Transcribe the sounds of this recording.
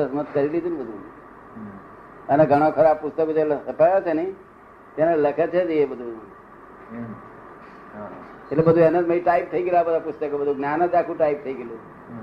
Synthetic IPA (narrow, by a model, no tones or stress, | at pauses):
əsmət̪̚kəɾilid͡ʒ̪unbəd̪ʱu | əneɡʱəɽ̃okʰəɾab̚pust̪əkod͡ʒelsəpajot͡ʃʰeni | t̪enaləkʰət͡ʃʰed͡ʒijebəd̪ʱu | elebəd̪ʱuenəməiʈaip̚t̪ʰəiɡelabəd̪ʱapust̪əkobəd̪ʱuɡnjanəd͡ʒakʰuʈaip̚t̪ʰəiɡelu